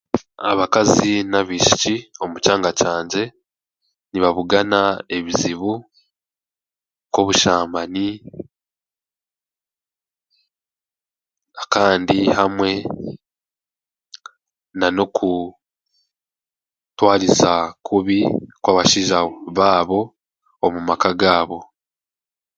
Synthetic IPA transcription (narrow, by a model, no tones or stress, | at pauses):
a̰βakazinaβiːʃi̥cio̞mucaːŋɡacaːɲɟe̞ | niβaβuɡanae̞βiziβu | kwo̞βuʃaːmani | akaːndihamwe̞ | nano̞kʰu | twaːɾisakʰuβikwaːβaʃiʒaβaːβo̞ | omumakaɡaːβo̞